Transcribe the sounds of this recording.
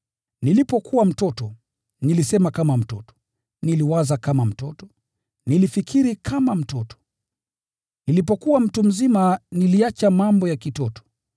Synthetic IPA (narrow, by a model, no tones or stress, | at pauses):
nilipɔkʰuwam̩tɔtɔ | nilisɛmakamam̩tɔ̰tɔ̥ | niliwazakamam̩tɔtɔ̥ | nilifikʰiɾikʰamam̩tɔtɔ̥ | nilipɔkuwam̩tum̩zimaniliat͡ʃamambɔjakitɔtɔ̥